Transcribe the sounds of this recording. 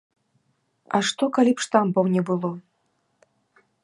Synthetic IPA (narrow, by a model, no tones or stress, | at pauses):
ɐʂt̪ɔkalʲipʂt̪ambɐwnʲɛbɨlˠɔ